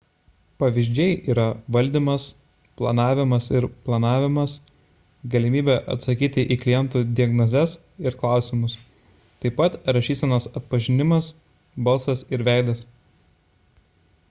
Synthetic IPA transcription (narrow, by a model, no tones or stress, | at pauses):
pɐʋʲiʒʲd͡ʒʲɛɪʔiːɾɐʋɐlʲd̪ʲiːmɐs | plˠɐnɑːʋʲɪmɐsɪɾplˠɐnɑːʋʲɪmɐs | ɡɐlʲɪmʲiːbʲɛʔɐ̰t̪sɐkʲiːt̪ʲɪʔiːklʲɪjɛnt̪uːd̪ʲɪɐɡnozʲɛs | ɪɾklˠɑˑʊsʲɪmʊs | t̪ɐɪpɐt̪ɾɐʃʲiːsʲɛnɐsɐt̪̚pɐʒʲɪnʲɪmɐs | bɐlˠsɐsɪɾʋʲæˑɪd̪ɐs